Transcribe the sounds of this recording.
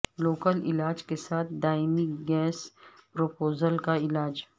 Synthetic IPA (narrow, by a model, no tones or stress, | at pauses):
loːkəlɪ̰laːd͡ʒkesaːt̪̚ʰd̪aːɪmikɡɛːspɾopoːzəlkaɪlaːd͡ʒ